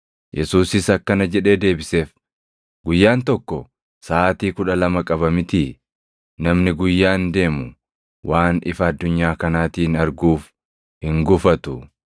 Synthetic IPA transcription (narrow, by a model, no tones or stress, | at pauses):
jʔɛsuːsɪsɐkːɐnɐd͡ʒɛᶑe̞ːd̪e̞ːbɪse̞ːf | ɡʊjːaːnt̪ɔkːɔ | saːt̪iːkʊᶑɐlɐmɐkʼɐβɐmɪt̪iː | nɐmnɪɡʊjːaːnd̪e̞ːmʊ | wʔaːnɪfɐːd̪ːʊɲːaːkɐnaːt̪iːnɐɾɡuːf | hɪŋɡʊfɐt̪ʊ